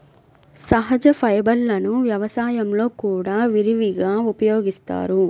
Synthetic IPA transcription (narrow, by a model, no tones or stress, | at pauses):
sɐɦɐd͡ʒɐpʰɐjbɐlːɐnuʋjɐʋɐsaːjɐmlo̞ːkuːɽaːʋiɾiʋiɡaːupɐjoːɡist̪a̰ːɾu